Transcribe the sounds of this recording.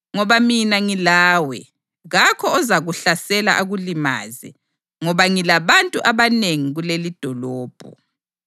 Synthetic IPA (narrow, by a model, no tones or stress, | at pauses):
ŋɔβaminaŋilaːwɛ̰ | ɣakʰɔːzaɣuɬasɛla̰ʔaɣulima̰ːzɛ̰ | ŋɔβaŋilaβantʼuʔaβaneŋiɣulelid̥ʱɔlɔːb̥ʱɔ̰